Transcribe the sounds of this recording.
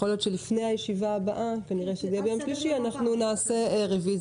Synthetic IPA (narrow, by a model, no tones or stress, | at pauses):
o̞ljo̞tʃelifne̞jhajeʃivaːbaʔakaniʁe̞ʃedabeomʃliʃianaχnunaːse̞ʁeviz